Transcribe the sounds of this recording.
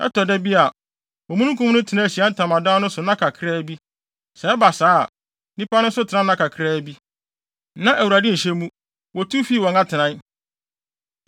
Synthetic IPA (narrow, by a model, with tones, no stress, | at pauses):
ɛ̰˦tʰɔ˨dɛ˦bi˦a˨ | wɔ̃˨mũ˦nũ˦kʰũ˦m˦nʊ̃˦tʰɪ˨nã˦˨ɕi˨a˦n̩˨tʰã˨mã˨dã˦nʊ̃˦sʊ˨nã˦kʰa˨kʰɪ˦ɾɛ˦bi˦ | sɛ˨˦ɛ˦ba˨sa̰ː˦˨ | nĩ˦pʰa˦nʊ̃˦sʊ˦tʰɪ˨nã˦nã˦kʰa˨kʰɪ˦ɾɛ˦bi˦ | nã˦ʔæ˨wu˨ɾa˨dɪ˦n̩˨ɕɛ˦mũ˦ | wɔ˨tʰu˦fiː˦˨wɔ̃˨ŋa˦tʰɪ˨nã˨˦